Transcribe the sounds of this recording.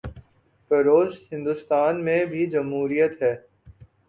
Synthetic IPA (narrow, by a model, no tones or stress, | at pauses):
pɐɾoːzhɪ̃nd̪ʊst̪aːnmẽbʱid͡ʒɐmɦuːɾijət̪ɦɛː